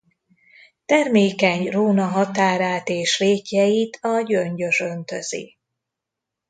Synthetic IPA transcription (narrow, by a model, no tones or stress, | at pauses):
t̪ɛrmeːkɛɲroːnɒɦɒt̪aːɾaːt̪eːʃveːkjɛjit̪ʰɒɟøɲɟø̞ʃønt̪øzḭ